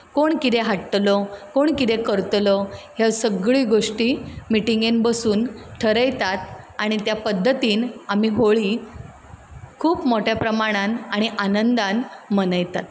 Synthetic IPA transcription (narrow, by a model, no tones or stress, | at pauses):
koɳkit̪eɦaʈʈlɔkoɳkit̪ɛkəɾt̪lɔhasəɡɭiːɡoʂʈiːmiʈiŋɡenbəsuːnʈʰəɾəjt̪at̪aɽ̃it̪japəd̪ʱːət̪iːnamiɦoɭiː | kʰuːpmoʈjapɾəmaɽ̃anaɽ̃iʔanənd̪ãnmənəjt̪at̪